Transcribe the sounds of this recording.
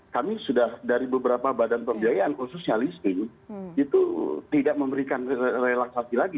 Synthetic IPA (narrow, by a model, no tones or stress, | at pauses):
kamisudahdaɾibəbəɾapabadanpəmbiajaʔankususɲalist̪ɪkit̪ṵt̪idaʔ̚məmbəɾikanrelaksasilaɡi